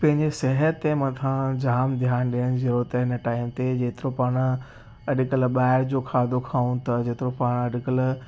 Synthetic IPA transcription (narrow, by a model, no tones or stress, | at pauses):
pɐ̃ɦɪ̃ɲd͡ʑesɛɦət̪ːemɐ̃t̪ʰãd͡ʑaːmd̪ʱjaːnɗiəɽ̃zɪɾot̪eɪnəʈaːɪmt̪ed͡ʑeːt̪ɪɾopaːɽ̃ | ɐɖɪkəlɓaːɪɾd͡ʑokʰaːd̪okʰaːũt̪ɐd͡ʑeːt̪ɪɾõpaːɽ̃ɐɖɪkəl